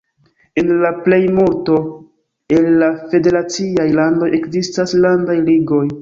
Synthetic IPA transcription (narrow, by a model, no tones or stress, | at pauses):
enlaple̞jmulto̞ | enlafe̞de̞ɾat͡siajlando̞je̞kzistaslandajliɡo̞j